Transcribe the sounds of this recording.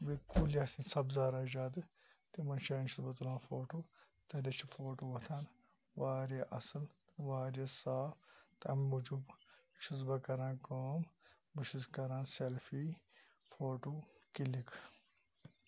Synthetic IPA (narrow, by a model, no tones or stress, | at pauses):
bekuːlɐsĩsɐbzaːɾad͡ʒaːd̪ɨ | t̪emɐnʃɐːnʃuzbɐt̪ulãːnfoːʈoː | t̪ɐd̪ɐt͡ʃʰifoːʈoːʋɐt̪ʰaːn | ʋaːɾjeʔɐ̰sɨlt̪ʋaːɾesaːft̪ɐɐmud͡ʒubʃuzbɐkɐɾãːkoːm | buʃuskɐɾãːnselfi | foːʈuːkilikʰ